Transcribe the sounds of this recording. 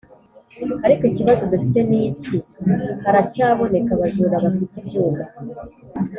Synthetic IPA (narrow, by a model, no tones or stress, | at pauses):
aɾikoiciβazo̞dufite̞niːcihaɾacaːβo̞ne̞kaβazuːɾaβafitebjuːmba